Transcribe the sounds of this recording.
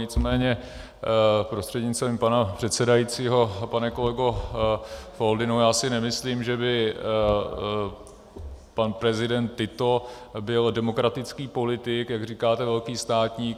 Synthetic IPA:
ɲɪt͡smɛːɲɛ | pɾost̪r̥ɛdɲɪt͡st̪vimpanapr̝̥ɛt̪sɛdajiːt͡siːɦo̞panɛko̞lɛɡo | foldɪnujaːsɪnɛmɪsliːmʒɛbɪ | panpɾɛzɪdɛnt̪ːɪt̪o̞ | bɪldɛmo̞kɾat̪ɪt͡skiːpo̞lɪt̪ɪkjaɡriːkaːt̪ɛvɛlkiːst̪aːt̪ɲiːk

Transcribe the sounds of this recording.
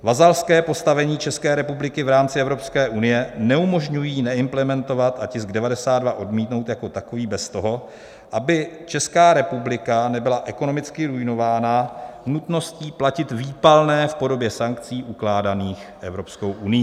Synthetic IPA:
vazalskɛːpo̞st̪avɛɲiːt͡ʃɛskɛːɾɛpublɪkɪvɾaːmt͡sɪɛvɾo̞pskɛːʔunɪjɛnɛumo̞ʒɲujiːnɛɪmplɛmɛnt̪o̞vat̪acɪzɡdɛvadɛsaːd̪dvaʔo̞dmiːt̪no̞wt̪jako̞t̪akoviːbɛst̪o̞ɦo̞ | ʔabɪt͡ʃɛskaːɾɛpublɪkanɛbɪlaʔɛkono̞mɪt͡skɪɾujno̞vaːnanut̪no̞sciːplacɪt̪viːpalnɛːfpo̞do̞bjɛsaŋkt͡siːʔuklaːdaniːxʔɛvɾo̞psko̞wʔunɪjiː

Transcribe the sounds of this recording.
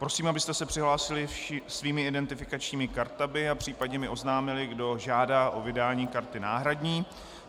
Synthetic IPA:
pɾosiːmabɪst̪ɛsɛpr̥ɪɦlaːsɪlɪfʃɪsviːmɪɪdɛnt̪ɪfɪkat͡ʃɲiːmɪkaɾt̪amɪapr̝̥iːpad̚ɲɛmɪʔo̞znaːmɪlɪɡdo̞ʒaːdaːʔo̞vɪdaːɲiːkaɾt̪ɪnaːɦɾadɲiː

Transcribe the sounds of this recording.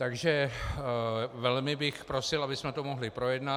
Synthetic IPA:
t̪aɡʒɛ | vɛlmɪbɪxpɾo̞sɪlabɪsmɛt̪omo̞ɦlɪpɾo̞jɛdna

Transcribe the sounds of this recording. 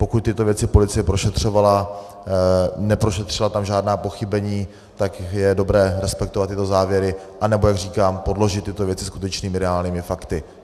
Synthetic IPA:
po̞kut̪̚t̪ɪt̪o̞vjɛt͡sɪpo̞lɪt͡sɪjɛpɾo̞ʃɛt̪r̝̥o̞vala | nɛpɾo̞ʃɛt̪r̝̥ɪlat̪amʒaːdnaːpo̞xɪbɛɲiː | t̪akjɛdo̞bɾɛːɾɛspɛk̚t̪ovat̪ːɪt̪o̞zaːvjɛɾɪ | ʔanɛbo̞jaɡr̝iːkaːmpo̞dlo̞ʒɪt̪ːɪt̪o̞vjɛt͡sɪskut̪ɛt͡ʃniːmɪɾɛaːlɲiːmɪfakt̪ɪ

